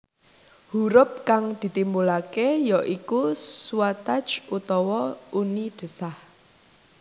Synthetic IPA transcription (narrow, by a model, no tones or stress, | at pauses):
huɾʊp̚kaŋd̪̥i̤t̪imbulakejɔʔikusuwat̪ḁd͡ʒʔut̪ɔwɔuniɖ̪̥ə̤sah